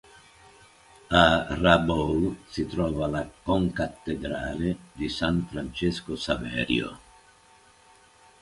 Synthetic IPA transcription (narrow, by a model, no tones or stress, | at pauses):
arabolsit̪ɾɔːvalakoŋkat̪ːeɡ̪ɾa̰ːled̪isanfɾant͡ʃeskosavɛ̰ːɾjo̰